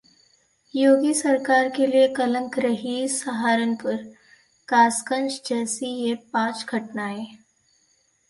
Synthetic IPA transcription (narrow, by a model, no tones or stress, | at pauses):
joɡiːsəɾkaɾkeliekələŋkɾəɦisəɦaɾənpəɾ | kaskənt͡ɕd͡ʑəsijepãt͡sɡʱəʈnaɦe